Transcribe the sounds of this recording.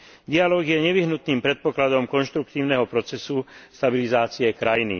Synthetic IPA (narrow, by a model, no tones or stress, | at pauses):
d̪ialɔːɡjɛɲɛʋiɦnut̪niːmpɾɛt̪̚pɔklad̪ɔmkɔnʃt̪ɾukt̪iːʊnɛɦɔpɾɔt͡sɛsust̪abilizaːt͡siɛkɾajnḭ